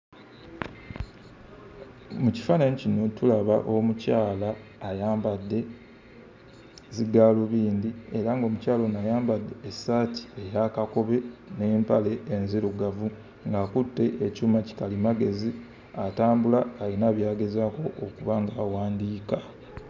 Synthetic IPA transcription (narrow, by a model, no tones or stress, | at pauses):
muci̥fanaɲcinotulaβaʔomucaːlaːjaːmbadːe̞ | ziɡaːloβiːndieɾaŋɡo̞ːmucaːlo̞najaːmbadːe̞ːsaːtʰi̥ejakako̞βe̞neːmpale̞enziɾuɡavu | ŋɡaːkutːe̞ʔecuːmaci̥kalimaɡe̞zi | ataːmbulaːlinaːβjaːɡe̞zaːko̞ʔːkuβaŋɡaːwaːndiːka